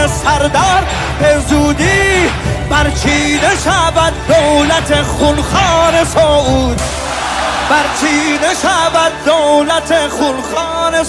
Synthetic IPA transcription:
esæɾd̪ɒːɾ | bezuːd̪iːbæɾt͡ʃʰiːneʃævæd̪d̪owlæt̪ʰeχulxɒːnesoːʔuːd̪ | b̥æɾt͡ʃʰiːneʃævæd̪̚d̪owlæt̪ʰeχulχɑːne

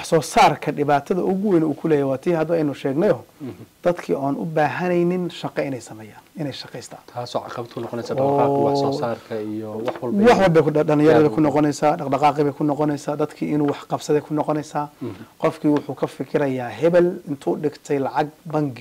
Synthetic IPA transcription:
wɑħsɔːsaːrkʰɐɖɪβaːt̪ʰɐðɐʔʊɣʊwɛnuːkʰʊlɛːjɛwaːt̪ʰiːhɐd̪ɐɛjnʊʃɛːɡnɛjɔd̪̥ɐd̪kʰḭːʔaːnʔʊ̰baːɦɐnɛjnɪnʃɑqɛɪnɛjsɐmɛːjaːnɪnɛjʃɑqɛjst̪ʰḁːt̪ʰaːsɔːʕɑ̰qɐbɐdt̪kʰʊnɔqɔnɛjsaːɔːwɔːaːrkʰɐijɔwɑħwɐlwɑħwɔlbɛjɐlɪ̃jɐɾɐðɐkʰʊnːɔqɔnɛjsaːɖɑqɖɑqɑːqɪβɛjkʰʊnɔqɔnɛjsaːd̪ɐd̪kʰiːɪnuːwɑħqɑbsɐðɛjkʰʊnɔqɔnɛjsaːqɔfkʰiːwʊħuːkʰɐfɪkʰɪɾɐjaːɦɛβɛlɪnt̪ʰuːɖɪɡt̪ʰɛjlɑʕɑɡ̚bɐŋɡɪ

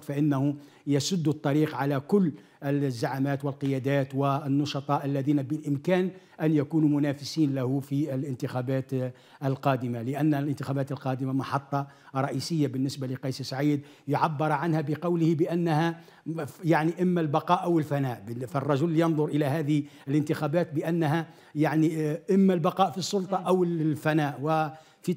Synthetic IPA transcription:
faʔɪnːahʊ | jasʊd̪ːʊt̪ˤːɑɾiːqʕalækʊlː | ɪzːaʕamæːt̪wɪlqəjæd̪æːt̪wɪnːɑʃɑt̪ˤɑʔælːæðiːnabɪlʔɪmkæːn | ʔænjækuːnumʊnæfɪsiːnlæhufilʔɪnt̪ɪxæbæːt̪ | ʔəlqɑːd̪əmalɪʔænːælʔɪnt̪ɪxæbæːt̪əlqɑːd̪əmamɑħɑt̪ˤːɑ | ɾˤɑʔisəjːabənːɪsbaləqɑjssʕiːd̪ | jʊʕabːɑɾˤʕanhæbəqɑwləhibəʔænːhæ | jaʕniʔəmːælbɑqɑːʔawəlfænæːʔbfærˤːɑʒʊlːjɑnðˤʊɾʔəlæɦæːd̪ɪhiələnt̪əxæbæːt̪̚bəʔænːɦæ | jaʕniʔəmːælbɑqɑːʔfisˤːʊlt̪ˤɑʔawəlfænæːʔwɪ | fi

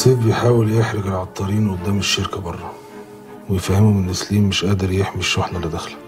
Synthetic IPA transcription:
sˤiːb̪̚bejħaːweljeħɾeɡelʕɑt̪ˤːɑɾiːnʔʊd̪ːæːmeʃːeɾkæbɑrˤːɑ | wejefæhemumɪnʔesliːmːeʃʔæːd̪eɾjeħmiʃːoħlæled̪æxlæ̥

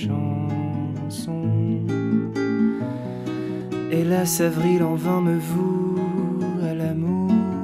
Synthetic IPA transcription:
ɑ̃ | sɔ̃ | elasavʁilɑ̃vɛ̃məvu | alamu

